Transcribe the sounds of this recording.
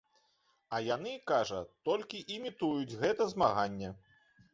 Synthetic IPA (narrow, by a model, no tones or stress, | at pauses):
ɐjan̪ɨkaʐɐt̪ɔlʲkʲiʔimʲit̪ujud͡zʲɣɛt̪ɐzmaɣanʲːɛ